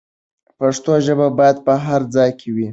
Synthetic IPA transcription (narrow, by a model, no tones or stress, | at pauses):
paʂt̪oʒəbabɑjad̪̚pəɦaɾd͡zɑjkʰewi